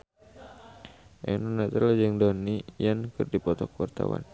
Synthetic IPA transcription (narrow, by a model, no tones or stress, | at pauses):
ʔɛnunat̪əlad͡ʒəŋdɔnijankɨrdipɔt̪ɔkəwart̪a̰wa̰n